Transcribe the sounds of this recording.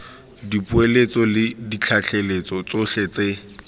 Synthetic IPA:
dipʼʊelet͡sɔlɪdit͡ɬʰaɬʰelet͡sɔt͡soɬet͡se

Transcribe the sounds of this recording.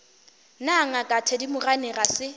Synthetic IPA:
naŋakʼatʰɛdimʊranɪrasɪ

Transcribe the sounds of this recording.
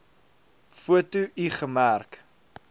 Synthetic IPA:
fuətuʔiχəmærk

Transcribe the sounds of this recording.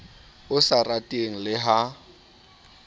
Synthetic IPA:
ʊsaratʼeŋ̩lɪɦa

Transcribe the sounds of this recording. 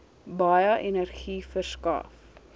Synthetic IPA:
bɐjəʔɛnərχifərskɑ̰ːf

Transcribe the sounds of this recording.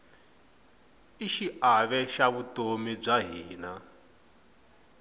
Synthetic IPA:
iʃiaβɛʃaβutomib͡ʐaɦiːna

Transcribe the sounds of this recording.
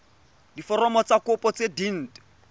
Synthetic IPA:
difɔrɔmɔt͡sakʊpɔt͡sedin̩ːt

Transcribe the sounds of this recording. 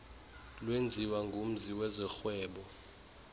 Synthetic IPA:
lwend͡zʱiwaŋɡʱum̩ziwɛzɛxwɛːɓɔ

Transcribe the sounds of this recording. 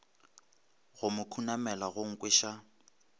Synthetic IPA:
ɣʊmʊkʰunamɛlaɣʊŋ̩kʼweʃa

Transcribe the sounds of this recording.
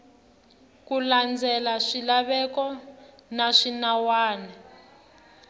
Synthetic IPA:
kuland͡zɛlaʂilaβɛkɔnaʂinawaːnɛ

